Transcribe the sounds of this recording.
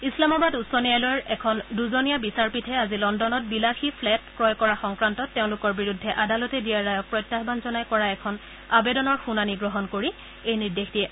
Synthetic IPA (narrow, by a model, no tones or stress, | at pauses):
islamabadusɔnijajlɔjɛkʰɔnduzonijabisaɹpitʰɛazilɔndɔnɔt̚bilaxipʰlɛtkɹɔjkɔɹaxɔŋkɹantɔtːeʊ̃lʊkɔɹbiɹudʱːɛʔadalɔtɛdijaːajɔk̚pɹɔjtːaxbanzɔnajkɔɹaɛkʰɔn | abedɔnɔɹxunaniɡɹɔɦɔnkoɹi | ejniɹdexdiɛ